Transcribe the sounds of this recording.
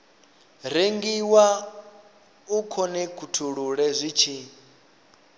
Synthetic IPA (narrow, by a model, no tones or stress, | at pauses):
ɾ̤eŋɡiwa | ukʰɔnɛkʰutʰuɺuɺɛzʷit͡ʃʰi